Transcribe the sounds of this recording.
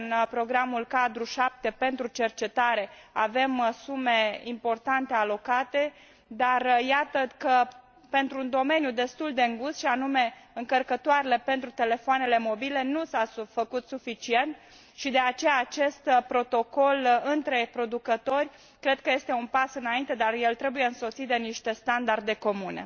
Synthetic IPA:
ɨnpɾo̞ɡɾamulkad̪ɾuʃap̚t̪e̞pe̞nt̪ɾut͡ʃe̞rt͡ʃe̞t̪aɾe̞ave̞msume̞impo̞rt̪ant̪e̞alo̞kat̪e̞ | d̪arjat̪əkə | pe̞nt̪ɾuːnd̪o̞me̞njud̪e̞st̪uld̪eɨŋɡusʃianume̞ɨŋkərkət̪oaɾele̞pe̞nt̪ɾut̪e̞le̞foane̞le̞mo̞bile̞nusafəkut̪sufit͡ʃie̞nt̪̚ | ʃid̪e̞at͡ʃe̞jaːt͡ʃe̞st̪pɾo̞t̪o̞ko̞lɨnt̪ɾe̞pɾo̞d̪ukət̪o̞rʲ | kɾe̞d̪̚kəje̞st̪e̞unpasɨnaint̪e̞d̪arje̞lt̪ɾe̞buje̞ɨnso̞t̪sit̪̚d̪e̞niʃt̪e̞st̪and̪ard̪e̞ko̞mune̞̰

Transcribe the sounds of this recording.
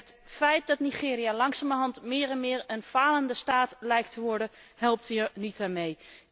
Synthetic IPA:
ɦətfɛjt̚dɑtniχɪːɾijalɑŋsaːməɹɦɑntmɪːɹɛnmɪːɹənvaːləndəstaːtlɛjk̚təʋɔɹdəɦɛlˠp̚tiəɹnitaːɹmej

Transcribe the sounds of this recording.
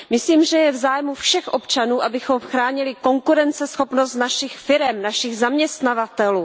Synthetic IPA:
mɪsliːmʒɛjɛvzaːjmufʃɛxʔo̞pt͡ʃanuːʔabɪxo̞mxɾaːɲɪlɪko̞ŋkuɾɛnt͡sɛsxo̞pno̞st̪naʃɪxfɪɾɛmnaʃɪɣzamɲɛst̪navat̪ɛluː

